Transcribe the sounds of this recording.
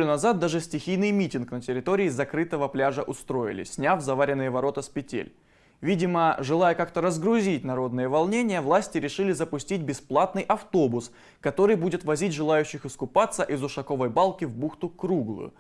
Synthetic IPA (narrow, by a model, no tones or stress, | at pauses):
unɐzat̪̚d̪aʐɨsʲtʲɪxʲijnɨjmʲitʲɪnknətʲɪɾʲɪt̪o̞ɾʲɪːzɐkɾɨt̪əvəplʲaʐəʔʊst̪ɾo̞ɪ̰lʲɪ̰sʲnʲavzɐvaɾʲɪnːɨjəvɐɾo̞t̪əspʲɪtʲḛlʲ | vʲidʲɪməʐɨlˠajəkakt̪əɾəzɡɾʊzʲit̚ʲnɐɾo̞d̪nɨjəvɐlˠnʲenʲɪjəvlˠasʲtʲɪɾʲɪʂɨlʲɪzəpʊsʲtʲit̚ʲbʲɪsplˠat̪nɨjʔɐft̪o̞bʊs | kɐt̪o̞ɾɨjbudʲɪt̪vɐzʲitʲʐɨlˠajʉɕːɪxɨskʊpat̪sːəʔɪzʊʂɐko̞vəjbalˠkʲɪvbuxt̪ʊkɾuɡlˠɨ̰